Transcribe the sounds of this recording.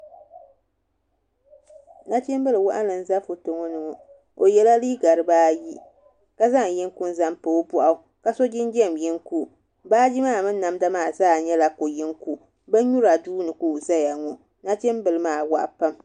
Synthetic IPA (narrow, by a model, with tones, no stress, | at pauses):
na˦t͡ʃɛ˦mbɨ˦lɨ˨wa˦ʔa˦nɨ˨n̩˦za˦fʊ˨to˨ŋɔ˦nɨ˨ŋɔ˨ | o˨jɛ˦la˦liː˦ɡa˨ɾɨ˦baː˦ji˦ | ka˦za˦ŋ˨jɪ˦ŋku˦n˦za˦mpɨ˨˦bʊ˦ʔa˦˨ka˦so˦d͡ʒɪ˦nd͡ʒɛ˦˨mjɪ˦ŋku˦ | baː˦d͡ʒi˦maː˦˨mɨ˦nːa˨mda˦maː˦˨zaː˦˨ɲɛ˦la˨ko˨jɪ˦ŋku˨ | bɛ˦ɲu˦ɾa˨duː˦nɨ˨kuː˦˨za˦ja˨ŋɔ˨ | na˦t͡ʃɛ˦mbɨ˨lɨ˦maː˦˨wa̰˦ʔpa˦m